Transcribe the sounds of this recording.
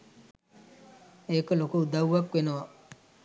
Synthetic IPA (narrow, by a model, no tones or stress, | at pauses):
eːkəlokuud̪awʋakʋenoʋa